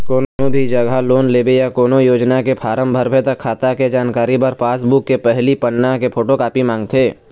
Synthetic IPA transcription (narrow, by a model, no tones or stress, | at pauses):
koːnobʱid͡ʒɐɡaloːnleːbejakoːnojoːd͡ʒnakepʰaːɾəmbʱəɾbʱet̪ɐkʰːaːt̪aked͡ʒaːnkaːɾipɐɾpaːsbʊkːepɛɦlipənːakepʰoːʈokaːpimãːŋɡt̪ʰeː